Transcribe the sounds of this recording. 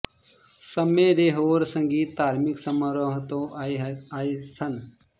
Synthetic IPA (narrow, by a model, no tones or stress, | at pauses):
sɐmeɾeːɦoːɾsəŋɡiːt̪ːaːɾmɪksəməɾoɦt̪õ | aːisɐn